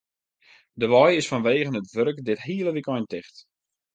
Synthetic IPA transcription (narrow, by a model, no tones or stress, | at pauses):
dəʋɔjɪsfɔnʋeːɣənətʋørkdɪthiələʋikɔjntɪxt